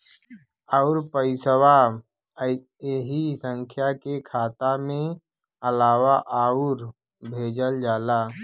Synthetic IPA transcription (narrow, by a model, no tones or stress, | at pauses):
aʊɾpəɪsəwa | eɦisə̃ŋkʰjakekʰaːt̪amẽ | əlaːʋaʔaːuɾ | bʱeːd͡ʒəld͡ʒaːla